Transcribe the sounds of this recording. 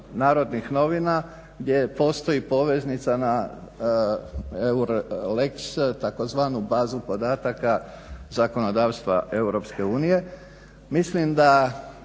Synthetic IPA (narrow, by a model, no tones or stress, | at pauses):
naːɾo̞d̪nixno̞ʋina | ɡd̪ʲje̞po̞ːst̪o̞jipo̞ʋe̞znit̪sana | euɾlekst̪akozʋaːnubaːzupo̞d̪aːt̪aka | zako̞no̞d̪aːʋst̪ʋa̰e̞uɾo̞pske̞uːnije̞ | mislimd̪a